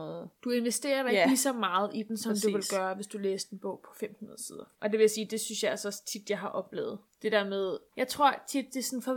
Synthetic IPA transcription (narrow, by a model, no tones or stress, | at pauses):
ɔð̩ˠd̥ue̝nʋesd̥e̝̰ːɐɛɡ̥isɒmɑ̈ːð̞̩ˠid̥n̩sɒmd̥uʋe̝lɡ̥ɶːɐʋe̝sd̥uleːsd̥e̝nb̥ɔ̰̽ʊpʰɒ̥̽fem̰hunɐð̩ˠsiːð̞ˠɐʔɒ̽d̥e̝ʋe̝jasiːd̥e̝synsjɑ̈ɪælsɒ̽st͡sʰid̥jɑ̈ɪɦɑ̈ʔɒ̽b̥lḛːʊð̞̩ˠd̥e̝d̥eɐ̰með̞ˠjɑ̈ɪt͡sʰʁo̝ɐ̰t͡sʰid̥̚ːesɒnfɒ̽